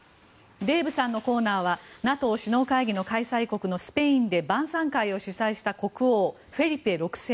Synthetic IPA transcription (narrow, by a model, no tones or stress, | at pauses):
d̪e̞ːbɯ̟sãnːo̞ko̞ːnaːβ̞anat̪o̞ːɕino̞ːkaiɡʲino̞kaisaiko̞kɯ̟no̞sɨ̥peĩnd̪e̞bãɰ̃sãŋkaio̞ɕisaiɕi̥t̪ako̞kɯ̟o̞ː | ɸe̞ɾʲipe̞ɾo̞kɯ̟̥seː